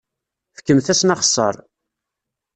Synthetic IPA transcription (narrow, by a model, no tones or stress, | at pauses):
fə̥kːəmθæsnɑχə̥sˤːə̰ɾˤ